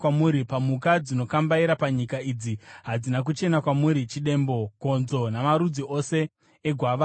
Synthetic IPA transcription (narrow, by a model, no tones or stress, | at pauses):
wamuɾipamukad͡zino̞kambaiɾapaɲikaiːd͡ziɦad͡zinak̬ut͡ʃe̞nakwamuɾit͡ʃiɗe̞mbo̞ko̞nzo̞namaɾud͡ziʔo̞se̞ː | ɡʱwaʋa